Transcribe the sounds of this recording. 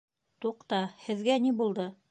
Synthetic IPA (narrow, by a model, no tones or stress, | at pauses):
t̪uqt̪ɑhɘ̆ðɡænibulˠd̪ɤ